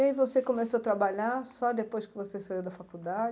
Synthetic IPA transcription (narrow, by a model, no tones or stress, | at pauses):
aivosekomesoɐt̪ɾabaʎasɔd̪epojskɪvosesaiwd̪ɐfakud̪ad͡ʒ